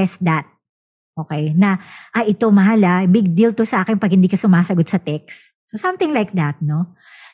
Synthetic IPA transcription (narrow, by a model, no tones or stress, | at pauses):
ɛsd̪ɐt̪̚ | ʔo̞ːkɛjnɐʔɐjʔɪt̪omɐɦalabɪɡ̚d̪ilt̪osɐʔaːkɛnpɐɡ̚hɪnd̪iːkɐsʊmaːsɐɡot̪̚sɐt̪ɛks | sosɐ̃mt̪ɪ̃ŋlajk̚d̪ɐt̪̚no̞